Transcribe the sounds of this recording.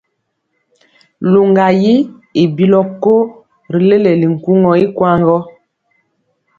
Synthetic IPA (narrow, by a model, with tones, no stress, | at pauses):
lu˨ŋɡa˨ji˦ | i˨bi˦lɔ˦ko˦ | ɾi˨le˦le˨li˨ŋ̩˨ku˦ŋɔ˨i˦kwa˦˨ŋɡɔ˦